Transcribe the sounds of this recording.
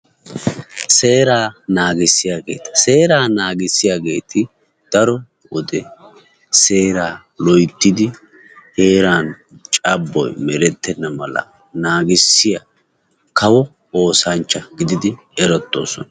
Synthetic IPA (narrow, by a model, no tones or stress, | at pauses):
se̞ːɾaːnaːɡɪsːɪjaːɡe̞̰ːt̪ɐ̥se̞ːɾaːnaːɡɪsːɪjaːɡe̞ːt̪ʰɪ | d̪̥ɐɾɔ | wɔd̪ɛ | se̞ːɾaː | lɔjt̪ːɪd̪ɪ | he̞ːɾaːn | t͡ʃʼɐbːɔ̰jmɛɾɛt̪ːɛnːɐmɐlɐ̰ | naːɡɪsːɪja | kɐwɔ | o̞ːsɐnt͡ʃːɐɡɪd̪ɪd̪ɪ | ɛɾɔt̪ːo̞̰ːsɔ̰nɐ